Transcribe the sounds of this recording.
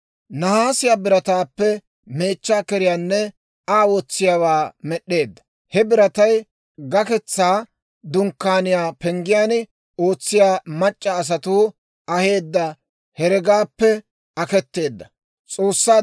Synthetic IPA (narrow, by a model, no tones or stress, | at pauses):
nɐhaːsɪjaːbɪɾɐt̪aːpːɛ | me̞ːt͡ʃːaːkɛɾɪjaːnːɛ | aːwɔt͡sːɪjaːwaːmɛɗːe̞ːd̪ːɐ̥ | hɛbɪɾɐt̪ɐj | ɡɐkɛt͡sːaː | d̪ʊŋkːaːnɪjaːpɛŋɡɪjaːn | o̞ːt͡sːɪjaːmɐt͡ʃʼːɐːs̬ɐt̪uː | ʔɐhe̞ːd̪ːɐ | hɛɾɛɡaːpːɛ | ɐkɛt̪ːe̞ːd̪ːɐ | t͡sʼo̞ːsːaː